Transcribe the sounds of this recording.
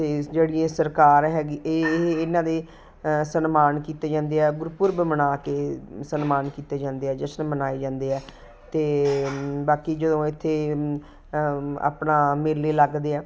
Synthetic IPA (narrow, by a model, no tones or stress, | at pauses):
t̪eːd͡ʒeːɽiãːsəɾkaːɾɦɛːɡiːeːɪnãːd̪eː | sənmaːnkiːt̪eːd͡ʒãːnd̪eːɛːɡʊɾpʊɾbəmənaːkeːsənmaːnkiːt̪eːd͡ʒãːnd̪eːɛːd͡ʒəsnmənaːeːd͡ʒãːnd̪eːɛː | t̪eː | baːkiːd͡ʒəd̪õːɪt̪ʰːeː | a̰ːpnaːmeːlːeːləɡd̪eːɛː